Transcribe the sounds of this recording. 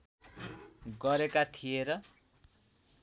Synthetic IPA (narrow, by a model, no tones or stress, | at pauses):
ɡʌɾekat̪ʰijeɾʌ